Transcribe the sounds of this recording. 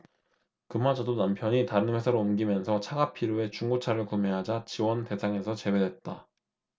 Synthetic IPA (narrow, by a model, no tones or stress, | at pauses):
kɯmad͡ʑʌdonampʰjʌɲitaɾɯnwe̞sʰʌɾoumɡimjʌnsʰʌt͡ɕʰaɡapʰiɾoe̞t͡ɕuŋɡot͡ɕʰaɾɯɭkume̞ɦad͡ʑat͡ɕiwʌnte̞sʰaŋe̞sʰʌt͡ɕe̞we̞dwet̚t͈a